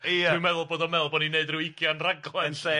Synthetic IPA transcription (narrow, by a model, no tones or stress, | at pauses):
wɨmɛðʊlˠboːdɔmɛðʊlˠboːdnineɨdrɪwɪɡjanraɡlɛne